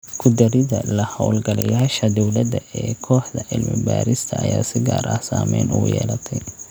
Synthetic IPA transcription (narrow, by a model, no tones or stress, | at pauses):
kʰʊd̪ɐɾɪðɐ̰lɐhɔwlɡɐlɐjaːʃɐd̪ɔwlɐd̪ɐɛːkʰɔːħd̪ɐʔɪlmɪbaːɾɪst̪ʰɐɐjaːsɪɡaːɾɐhsaːmɛjnuːjɛ̰ːlɐt̪ʰɛj